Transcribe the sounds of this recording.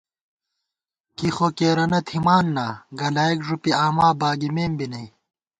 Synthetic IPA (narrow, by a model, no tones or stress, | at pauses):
kixokeːɾɐnɐt̪ʰimaːnːaːɡɐlaːikʐupiaːmaːbaːɡimeːmbinɐj